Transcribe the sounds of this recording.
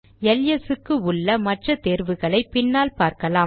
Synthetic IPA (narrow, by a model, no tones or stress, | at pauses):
ɛljɐsɯkːɯʊɭːɐmɐʈrɐt̪eːɾʋɯɣɐɭɐɪpɪnːaːlpaːɾkɐlaː